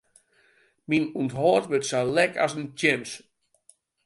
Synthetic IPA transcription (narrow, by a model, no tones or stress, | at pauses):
minuntɦɔːtʋøtsalɛkʰa̰səntɪms